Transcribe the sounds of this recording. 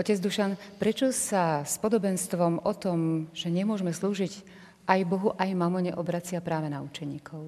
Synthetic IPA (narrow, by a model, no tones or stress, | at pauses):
ɔcɛd͡zd̪uʃanpɾɛt͡ʃɔsaspɔd̪ɔbɛnst̪ʋɔmʔɔt̪ɔmʒ̥ɛɲɛmʊɔʒmɛsluːʒiɟ | ʔajbɔɦuʔajmamɔɲɛ̰ʔɔbɾat͡sɪapɾaːʋɛnaut͡ʃɛɲiːkʰɔʊ